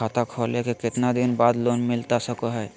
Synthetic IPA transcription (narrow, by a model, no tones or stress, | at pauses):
at̪akʰɔlekekɪt̪nad̪inbad̪lonmɪlt̪asəkoɦɛː